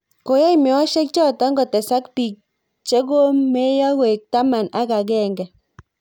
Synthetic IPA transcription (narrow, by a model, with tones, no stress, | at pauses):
ko˨jɛ˦imɛ˨wɔ˦ʃe˦k̚t͡ʃɔ˦˨tɔ˨˦ŋɡɔ˨tɛ˨sa˦kpi˨k̚ | t͡ʃe˦ko˦me˦jɔ˦ko˨e˨k̚ta˦ma˨na˦ka˨k̬ɛ˨ŋɡɛ˨